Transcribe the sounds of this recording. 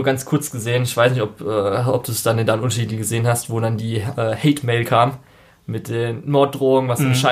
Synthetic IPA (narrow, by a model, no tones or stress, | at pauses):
ɐɡant͡skʰʊɐt͡sɡ̥əzeːənɪçv̥aɪsnɪçtɔpʔɛːʔɔp̚d̥uːsd̥andeːndaənʊntɐʃiːdl̩ɡəzeːənhastv̥oːdandiːʔɛːhɛɪtmeɪlkʰaːm | mɪt̚d̥eːnmɔɐt̚d̥ʁoːʊŋənvasʃa